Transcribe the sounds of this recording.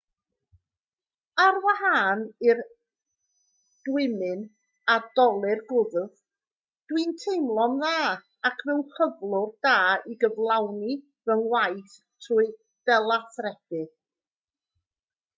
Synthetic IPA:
arwaɦaːnɪr | d̥wɪmɨn | adɔlˠɨrɡʊðð | d̥wintʰejmlˠɔnðaː | akʰvɛwɬəvlˠʊrd̥aːiɡəvlˠawni | vənwajθ | tʰruɨ | d̥ɛlˠaθrɛb̥ɨ

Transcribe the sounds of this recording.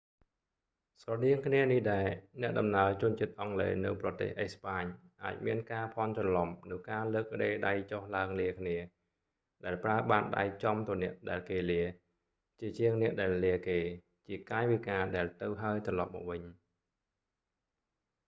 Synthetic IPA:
srɑɗiəŋkʰniənihɗaɛnɛ̆əʔɗɑmnaət͡ɕʊ̆ənt͡ɕiət̪̚ʔɑŋlḛːnɨwprɑt̪ḛːhʔespaːɲʔa̰ːc̚miənkaːpʰɑnt͡ɕɑlɑmnɨwkaːləːk̚ːə̆ɗeːɗajt͡ɕohlaəŋliəkʰniə | ɗaɛlpraəɓaːnɗa̰jt͡ɕɑmt̪ɨ̆ənɛ̆əʔɗaɛlkeːliə | t͡ɕiət͡ɕiəŋnɛ̆əʔɗaɛlːiəkeː | t͡ɕiəkaːɛʋikaːɗaɛlt̪ɨwɦaəjt̪rɑlɑp̚mɔ̰ːk̚ʋɨɲ

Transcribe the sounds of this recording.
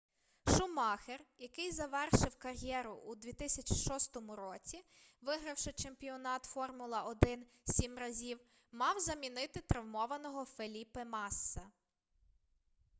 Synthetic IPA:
ʃʊmɑxerjɐkɪjzɐʋɛrʃɪwkɐrʲjɛɾʊʔud̪ʲʋʲit̪ɪsʲɐt͡ʃʲi̥ʃɔst̪ɔmʊɾɔt͡sʲiʋɪɦɾɐwʃɪt͡ʃempʲiɔnɑt̪fɔrmʊlˠɐɔd̪ɪn | sʲimrɐzʲiw | mɑwzɐmʲinɪt̪ɪt̪ɾɐwmɔʋɐnɔɦɔfelʲipɪmɑsːɐ

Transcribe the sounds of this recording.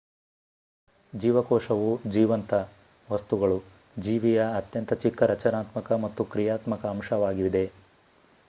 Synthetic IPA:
d͡ʒiːʋɐkɔːʂɐʋud͡ʒiːʋɐnt̪ɐ | ʋɐst̪uɡɐɭu | d͡ʒiːʋijɐːt̪jɐnt̪ɐt͡ʃikːɐɾɐt͡ʃɐnaːt̪mɐkɐmɐt̪ːukɾijaːt̪mɐkɐːmʃɐʋaːɡiʋid̪e̞

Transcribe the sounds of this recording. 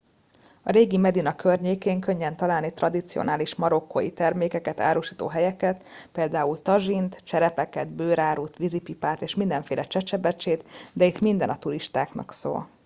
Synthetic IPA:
ɒɾeːɡimɛd̪inɒkørɲeːkeːŋkø̞ɲːɛnt̪ɒlaːlnit̪rɒd̪it̪sio̰naːliʃmɒɾo̞kːo̰jit̪ɛrmeːkɛkɛt̪a̰ːɾuʃiːt̪o̰ːɦɛjɛkɛt̪peːld̪aːult̪ɒʒint̪t͡ʃɛɾɛpɛkɛd̪bøːɾaːɾuːt̪ʋizipipaːt̪eːʃmind̪ɛɱfeːlʔɛt͡ʃɛt͡ʃɛbɛt͡ʃeːt̪d̪ɛit̪mind̪ɛnɒt̪uɾiʃt̪aːknɒ̰kso̰ːl

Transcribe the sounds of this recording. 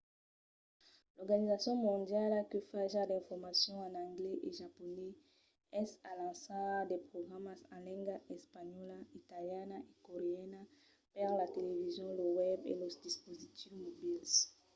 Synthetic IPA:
lɔʁɡanizasjɔ̃mɔ̃d̪jalkəfaʒad̪ɛ̃fɔʁmasjɔ̃ãnãŋɡlɛʔeʒaponɛ | ɛsalãsad̪epχoɡʁamasãlɛ̃ŋɡaɛspaɲɔlait̪aljanaʔekoʁeɛna | pɛʁlat̪elevizjɔ̃lowɛbḛlɔsd̪ispozit̪ʰifmobils

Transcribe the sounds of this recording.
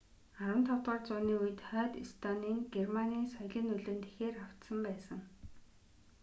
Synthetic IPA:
aɾwə̆nt̪ʰɔwt̪ɔːrt͡sʊːniːujɘ̆t̪χœːt̪ist̪ʰaniːŋɡermaniːnsɔjɮʲĭnɵɮɘ̆nt̪e̥xeːraw̥t̪sə̆mpæːsə̆ŋ

